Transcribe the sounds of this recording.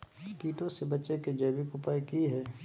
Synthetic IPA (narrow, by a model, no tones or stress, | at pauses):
kiːʈõsebɐt͡ʃeked͡ʒɐːbɪkʊpaːikiɦɛː